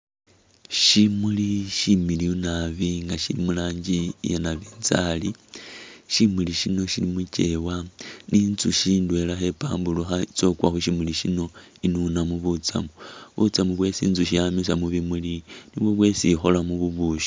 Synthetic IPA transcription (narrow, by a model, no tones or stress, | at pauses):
ʃimuliʃimiliunaβiŋɡaʃḭlḭmulaːɲɟijenaβiːnt͡sali | ʃimuliʃino̞ʃilimuce̞waninzuʃiːndwe̞laxe̞pa̰ːmbuluxait͡so̞kwaxuʃimuliʃino̞ | inunamuβut͡sa̰muβṵt͡samuβwe̞sḭːnzuʃijamisamuβimuliniβwo̞βwe̞sixo̞lamuβuβuʃo̥